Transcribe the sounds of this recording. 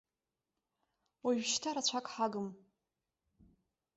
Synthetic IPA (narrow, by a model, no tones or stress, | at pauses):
waɥᶣʃtʰaɾat͡ɕʷʰakʼħaɡɨm